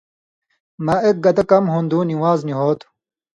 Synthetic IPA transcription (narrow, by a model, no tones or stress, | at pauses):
mɐʔek̚ɡɐt̪ɐkɐmɦund̪uːniwaːzniɦoːt̪u̥